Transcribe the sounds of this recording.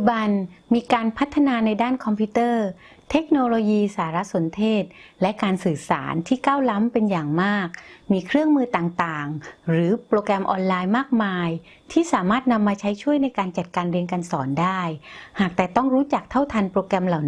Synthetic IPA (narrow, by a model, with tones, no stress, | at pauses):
u˧ba˧nmiː˧kaː˧npʰa˦˥t̪ʰːa˧naː˧na˧jdaː˥˩nkʰɔ˧mpʰiː˦˥t̪ɤː˥˩ | t̪ʰe˦˥k̚noː˧loː˧jiː˧saː˩˦ɾa˦˥so˩˦nt̪ʰeː˥˩t̪̚lɛ˦˥kaː˧nsɯː˨˩sa̰ː˩˦nt̪ʰiː˥˩kaː˥˩wla˦˥mpe˧njaː˨˩ŋmaː˥˩k̚miː˧kʰɾɯ˥˩əŋmɯː˧t̪aː˨˩ŋt̪aː˨˩ŋɾɯː˩˦pɾoː˧kɾɛ˧mʔɔː˧nlaː˧jmaː˥˩k̚maː˧j | t̪ʰiː˥˩saː˩˦maː˥˩t̪̚na˧mːaː˧t͡ɕʰa˦˥jt͡ɕʰu˥˩əjna˧jkaː˧nt͡ɕa˨˩t̪̚kaː˧nɾi˧ənka˧nsɔː˩˦ndaː˥˩jhaː˨˩k̚t̪ɛː˨˩t̪ɔ˥˩ŋɾuː˦˥t͡ɕa˨˩k̚t̪ʰa˥˩wt̪ʰa˧npɾoː˧kɾɛ˧mla˨˩w